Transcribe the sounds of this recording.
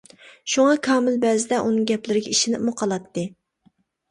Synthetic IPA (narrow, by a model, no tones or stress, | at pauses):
ʃuŋɑkʰɑːmɪlbɛzɪd̪ɛʔunɨŋɡʲɛplɪɾɪɡʲɛiʃɪnɪp̚muqʰɑlˠɑt̪ːɨ